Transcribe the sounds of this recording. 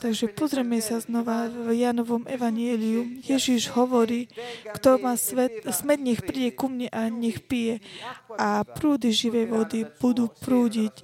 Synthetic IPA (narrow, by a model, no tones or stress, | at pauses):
t̪aɡʒɛpɔzɾɛmɛsaznɔʋavjanɔʋɔmɛʋaɲɪɛliumjɛʒiʒɦɔʋɔɾiːkt̪ɔmasʋɛt̪smɛd̪ɲɛxpɾiɟɛkumɲɛʔaɲɛxpijɛapɾuːd̪iʒiʋɛjʋɔd̪ib̥ud̪uːpɾuːɟic